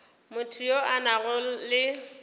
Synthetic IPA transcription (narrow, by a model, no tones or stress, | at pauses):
mʊtʰujoanaɣʊlɪ